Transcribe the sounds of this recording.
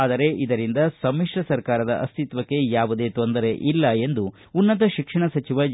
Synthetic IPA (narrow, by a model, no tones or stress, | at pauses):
aːd̪ɐɾe̞ʔid̪ɐɾind̪ɐsɐmːiʂʈɐsɐɾkaːɾɐd̪ɐʔɐ̰st̪ʰit̪ʋɐkːe̞jaːʋud̪e̞ːt̪o̞nd̪ɐɾeʔilːɐe̞nd̪u | unːɐt̪̬ɐʃikʂɐɳɐsɐt͡ʃiʋɐ